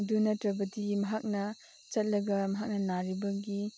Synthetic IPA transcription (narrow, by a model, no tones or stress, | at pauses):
dunɐtɾɐbɐtimɐɦak̚nɐ | t͡ʃɐt̚lɐɡɐmɐɦak̚nɐnaɾibɐɡi